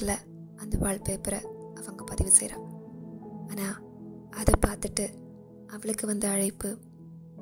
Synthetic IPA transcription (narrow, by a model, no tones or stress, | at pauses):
lɐ | ɐnd̪ɐʋaːɭpeːpːɪɾɐɐʋɐŋɡɐpɐðɪʋɯsɛ̰jɾa̰ː | aːnaː | ɐðɐpaːɾt̪ɯʈːɯ | ʔɐʋɐɭɯkːɯʋɐnd̪ɯɐɻɐɪpːɯ